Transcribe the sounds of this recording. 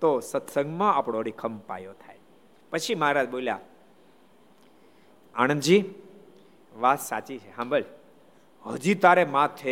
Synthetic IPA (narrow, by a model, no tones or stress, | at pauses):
t̪osət̪səŋɡmãapɽoɾikʰəmpa̰jot̪ʰa̰j | pət͡ʃʰimɦaɾad͡ʒbolja̰ | aɽ̃ənd͡ʒi | ʋat̪sa̰t͡ʃit͡ʃʰeɦãbəl | ɦəd͡ʒit̪aɾemãt̪ʰe